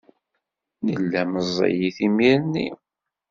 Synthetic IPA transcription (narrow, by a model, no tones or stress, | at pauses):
nəlːæməzˤːḭjiθimiɾnːḭ